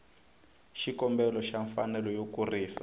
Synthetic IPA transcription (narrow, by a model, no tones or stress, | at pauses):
ʃikɔmbɛlɔʃaɱfanɛlɔjokuriːsa